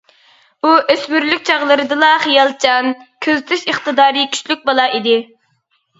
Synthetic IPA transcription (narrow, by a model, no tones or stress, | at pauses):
uʔøsmyɾlykʲt͡ʃʰɑʁlˠɨɾɨd̪ɨlˠɑχijɑlˠt͡ʃʰɑnkʲʰøzyt̪ʰyʃəχt̪ɨd̪ɑːɾikʲʰy̥ʃlyk̚ʲbɑlˠɑʔid̪ɪ